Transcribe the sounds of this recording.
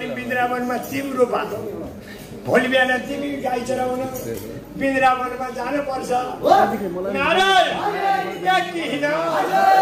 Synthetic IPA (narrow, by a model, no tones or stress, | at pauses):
nibind̪ɾabʌnmat͡simɾopa̰t͡sʰʌ̃ | bʱolibjanat̪imikajt͡sʌɾawnʌ | bind̪ɾabʌnmad͡zanupʌrt͡sʰʌ | naɾɾkakt̪iɦinʌ